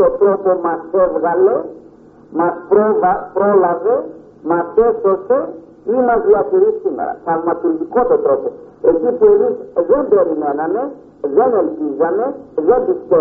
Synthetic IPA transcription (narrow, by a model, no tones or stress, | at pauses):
t̪ɔt̪ɾɔpɔmasɛvɣalɛ | mapɾɔvapɾɔlavɛ | masɛsɔsɛ | imaziakeɾisima̰ɾa̰kalmat̪uldikɔt̪ɔt̪ɾɔpɔ | ekipeliszɛ̃bɛɾinɛnanɛ | zɛnɛlpizanɛzɛdistɛ